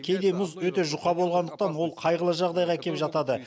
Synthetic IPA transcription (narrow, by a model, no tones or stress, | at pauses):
kʲʰe̞jd̪e̞mʊzwɵt̪e̞ʒʊqɑbolˠʁɑnd̪əqt̪ɑnwo̞lˠqʰɑjʁəlˠəʒɑʁd̪ɑjʁɑkʲʰe̞pʒɑt̪ɑd̪ə